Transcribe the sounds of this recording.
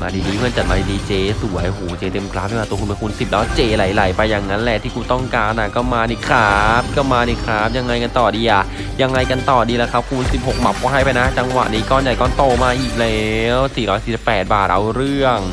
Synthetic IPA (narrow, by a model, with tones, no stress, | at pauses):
maː˧diː˧diː˧˦˧kʰɤ˧nt͡ɕa˨t̪̚maː˧di˧diː˧t͡ɕeː˧su˨˩˦jhoː˨˩˦t͡ɕeː˧t̪e˧mkʰlaː˦˥p̚i˧˩˧aː˧t̪u˧kʰpe˧ku˧nsi˨˩p̚lɔː˦˥t͡ɕeː˧la˩˦jla˨˩˦jpa˧jːaː˨˩ŋːa˦˥nlɛ˨˩t̪ʰiː˥˩kuː˧t̪ɔ˥˩ŋkaː˧nʔa˨˩kɔː˥˩maː˧niː˧˩kʰaː˦p̚kɔ˥˩maː˧ni˧kʰaː˦˥p̚ja˧ŋːa˧jka˧nt̪ɔː˨˩diː˧ʔa˨˩ | ja˧ŋːa˧jka˧nt̪ɔː˨˩diː˧la˧˩kʰa˦˥p̚kʰu˧nsi˨˩p̚ho˨˩k̚ma˨˦˥p̚kɔː˧˩ɦa˥˩jpa˧jna˦˥t͡ɕa˧ŋwa̰˨˩ʔniː˦˥kɔː˥˩nja˨˩jkɔː˧˥˩nt̪oː˧˩maː˧ʔiː˨˩k̚lɛ˦wsiː˨˩ɾɔː˦˥jsiː˨˩si˨˩pːɛː˨˩t̪̚baː˨˩t̪̚ʔa̰˧wɾɯ˥˩əŋ